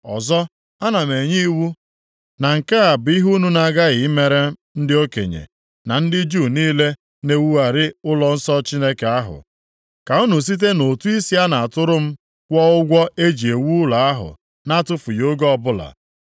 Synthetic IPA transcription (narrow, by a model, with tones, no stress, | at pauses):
ɔ̰˨zɔ˦ | a˦na˨me˨ɲi˦wu˦ | na˨ŋ̩˨ke˦a˨bʊ˨i˦ɦu˦nu˦na˨ɡa˦ɣɪ˨ɪ˦me˦ɾe˦n̩˦dɪ˦o˦kḛ˨ɲḛ˨ | na˨n̩˦dɪ˦d͡ʒuː˦˨niː˦le˦ | ne˨wu˦a˨ɾɪ˦ʊ˦lɔ˦n̩˦sɔ˦t͡ʃi˦ne˦ke˨a˦ɦʊ̰˨ | ka˨u˦nu˨s̬i˦t̬e˦no˨tu˦i˦si˦a˦na˨a˨tʊ˦ɾʊ˦m̩˦ | kʷɔ˦ʊ˦ɡʷɔ˦ʔe˦d͡ʒi˨e˨wu˦la˨a˦ɦʊ̰˨ | na˦˨tʊ˦fu˨jo˦ɡɔ˦ɔ˦˨bʊ˦la̰˨